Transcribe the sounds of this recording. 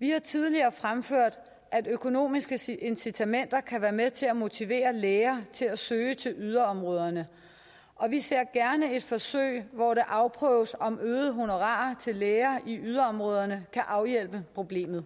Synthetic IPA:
ʋihɑ̈t͡sʰið̞ˠliɐːfʁamføɐ̰d̥ | ʔæd̥økʰo̝no̝̰ːmisɡ̥əʔe̝nsit͡sʰæmen̰d̥ɐkʰæʋæːɐmeðt͡sʰe̝læmo̝t͡sʰiʋe̝̰ːɐleːɐːt͡sʰe̝læsøːət͡sʰe̝lyð̞ˠɐɒ̽mʁɔ̽ːð̞ˠɐnə | ɒ̽ʋise̝ɐ̰ɡ̥æɐnəe̝d̥fɒ̽sø̰ɪ̰ʋɒɾeʔɑ̈ʊpʰʁœːʊsɒ̽mʔøːð̩ˠəɦo̝no̝ʁɑ̰̈ɐt͡sʰe̝lːeːɐʔiʔyð̞ˠɐɒ̽mʁɔ̽ːð̞ˠɐnəkʰæʔɑ̈ʊjel̰b̥əpʰʁo̝b̥le̝̰ːmð̩ˠ

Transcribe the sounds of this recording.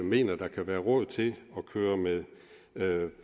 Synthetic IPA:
me̝̰ːnɐd̥ɑ̈kʰæʋæːɐʁɔð̞̰ˠt͡sʰe̝lɒ̽kʰøːɐmeðˠ

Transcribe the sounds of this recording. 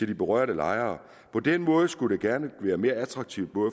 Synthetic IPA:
t͡sʰe̝ld̥ib̥eʁɶɐ̰ɾəlɑ̈ɪɐː | pʰɒ̽d̥enmɔ̽ːð̞ˠəsɡ̥udeɡ̥æɐnəʋæːɐme̝ːɐæt͡sʰʁɑ̈ɡ̥̚t͡sʰiʊd̥̚b̥ɔ̽

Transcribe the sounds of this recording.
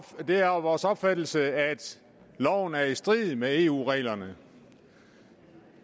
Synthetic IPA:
d̥e̝æɐʋɒːsɒ̽b̥fæd̥l̩səæd̥ | lɒʊ̰n̩æɐisd̥ʁið̩ˠmee̝ːṵːʁɛ̰ːlɐnə

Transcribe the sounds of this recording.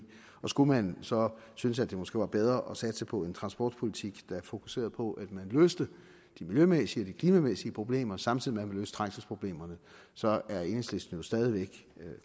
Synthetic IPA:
ɒ̽sɡ̥umænsɒ̽ | synəsæd̥e̝mosɡ̥e̝̰ːʋɑ̈b̥eð̞ˠʁɐʔɒ̽sæd̥sɑpʰɒ̽e̝nt͡sʰʁɑ̈nsb̥ɒ̰ːd̥pʰo̝lit͡sʰiɡ̥d̥ɑ̈æɐfo̝kʰu̥se̝̰ːɐð̞ˠpʰɒ̽ʔæd̥mænløːsd̥ə | d̥imiljømesiɒd̥ikʰliːmæmesiəpʰʁo̝b̥le̝̰ːmɐsɑ̈mt͡sʰiðˠimeæmænlø̰ːsə̥t͡sʰʁɑ̈ŋ̰səspʰʁo̝b̥le̝̰ːmɐnə | sɒ̽æɐe̝nheslesd̥n̩jo̝sd̥ɛːð̞ˠiʋeɡ̥

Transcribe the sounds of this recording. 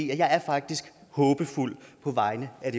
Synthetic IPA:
ḛɐjɑ̈ɪæɐfɑ̈ɡ̥̚d̥isɡ̥hɔːb̥əful̰pʰɒ̽ʋɑ̈ɪnəæd̥e̝

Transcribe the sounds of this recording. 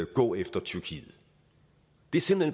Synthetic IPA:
ɡ̥ɔ̰̽ːefd̥ɐt͡sʰyɐkʰḭːð̩ˠ | d̥e̝ɐsimlen

